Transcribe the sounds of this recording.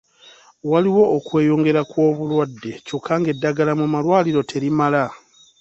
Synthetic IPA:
waliwo̞ːkwe̞ːjo̞ːŋɡe̞ɾakwo̞ːβulwadːe̞cokʰːaŋɡe̞dːaɡalamumalwaːliɾo̞tʰe̞ɾimala

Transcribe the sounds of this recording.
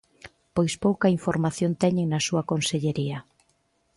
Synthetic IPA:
pojspowkɐiɱfoɾmaθjont̪ɛɲeŋnɐsuɐkonseʎeɾiɐ

